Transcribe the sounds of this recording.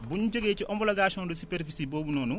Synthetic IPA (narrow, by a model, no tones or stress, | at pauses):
buɲud͡ʒoɡeːt͡ʃiʔɔmbɔlaɡaːʃɔ̃ndusipɛɾfisiboːbunoːnu